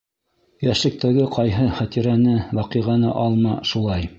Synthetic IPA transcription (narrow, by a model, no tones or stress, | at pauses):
jæʃlɘ̆k̚t̪æɡɘqɑjɦɤχæt̪iɾænɘwɑqiʁɑnɤʔɑlˠmɑʃulˠɑj